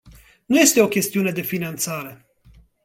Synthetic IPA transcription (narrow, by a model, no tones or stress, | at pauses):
nuje̞st̪e̞o̞kʲe̞st̪iune̞d̪e̞finant̪saɾe̞